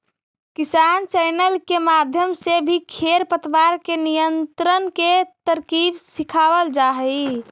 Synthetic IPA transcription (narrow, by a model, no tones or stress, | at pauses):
kisant͡ʃɛjnəlkemad̪ʱjəmsebʱikʰeɾpət̪ʋaɾkenijənt̪ɾənket̪əɾkibsikʰawəld͡ʒaɦəi